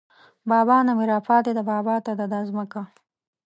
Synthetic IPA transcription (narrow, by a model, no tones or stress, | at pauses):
bɑːbɑnameɾɑːpʰɑt̪ed̪abɑːbɑt̪ad̪ad̪ɑzməka